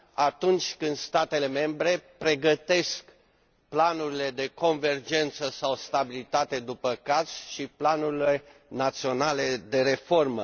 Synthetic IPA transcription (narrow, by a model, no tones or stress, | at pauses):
at̪unt͡ʃʲkɨnd̪st̪at̪e̞le̞me̞mbɾe̞pɾe̞ɡət̪e̞sk | planuɾile̞d̪e̞ko̞nve̞rd͡ʒe̞nt̪səsawst̪abilit̪at̪e̞d̪upəkaz̥ʃiplanuɾile̞nat̪sio̞nale̞d̪e̞ɾe̞fo̞rmə